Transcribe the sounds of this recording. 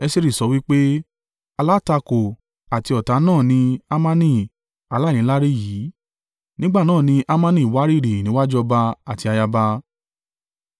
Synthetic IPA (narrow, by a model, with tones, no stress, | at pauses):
ɛ˧se˧ɾi˨sɔ˨˧˦wi˦k͡pe˦ | a˧la˦ta˧ko˨ | a˨ti˧ɔ˨ta˨˧nãː˦˨nĩ˧a˦mã˦nĩ˦˨ | a˧la˦˨nĩ˨˦la˦ɾe˦˨jiː˨˦ | nĩ˦ɡ͡ba˦˨nãː˦˨nĩ˧ʔa˦mã˦˧nĩ˨wa˦ɾi˦˨ɾi˨nĩ˨˦wa˦d͡ʒɔ˦˧ba˧a˨ti˧a˧ja˧ba˧